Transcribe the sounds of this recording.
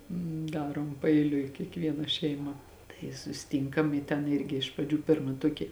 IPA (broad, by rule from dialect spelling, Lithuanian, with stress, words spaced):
ˈdɑːroːm pɐɛɪˈlʲʊɪ kʲiɛkˈʋʲiɛnɐ ʃʲɛɪˈmɐ tɐɪ sʊsʲɪˈtʲiːŋkɐm ɪ ˈtʲɛn ˈɪrʲɡʲɪ ɪʃ prɐˈd͡ʒʲuː ˈpʲɪrmɐ ˈtuɔkʲɪ